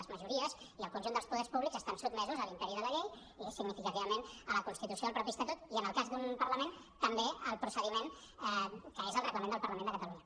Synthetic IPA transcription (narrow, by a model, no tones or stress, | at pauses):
əzməʒuɾiəz | iəlˠkunʲʒund̪əlˠspuðɛɾrspuβlikzəst̪ansud̪mɛzuzəlint̪ɛɾiðələʎej | isiɡnifikət̪iβəmenələkunst̪it̪usioəlpɾɔpist̪ət̪ot̪iənəlˠkazd̪umpərləmen | t̪əmbeəlˠpɾusəðimen | kəezəlrəɣləmenəlˠpəɾləmẽnd̪əkət̪əluɲə